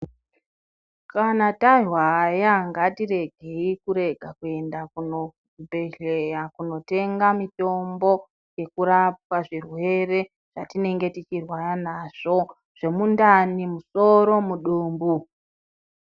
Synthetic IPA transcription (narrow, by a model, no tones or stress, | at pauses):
kanataʐwajaŋɡatiɾe̞ɡʱe̞ikuɾe̞ɡʱakue̞ndakuno | bʱe̞ɮejakuno̞te̞ŋɡamito̞mbo̞ | je̞kuɾap̚waʐirwe̞re̞ | ʐ̥atine̞ŋɡe̞tit͡ʃirwaranaʐ̥o̞ | ʐ̥e̞mundanimuso̞ɾo̞muɗuːmbu